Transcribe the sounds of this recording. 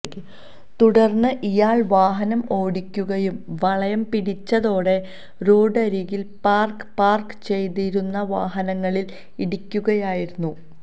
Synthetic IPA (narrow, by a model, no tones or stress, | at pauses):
t̪uɽɐrnːɨʔijaːɭʋaːɦɐnɐmo̞ːɽikʲːuɣɐjumʋɐɭɐjɐmpiɽit͡ɕːɐðo̞ːɽe̞ | ɾoːɖɐɾiːɣilpaːrkɨpaːrkɨ̥t͡ɕe̞jt̪iɾunːɐʋaːɦɐnɐŋːɐɭil | iɽikʲːuɣɐjaːjiɾunːu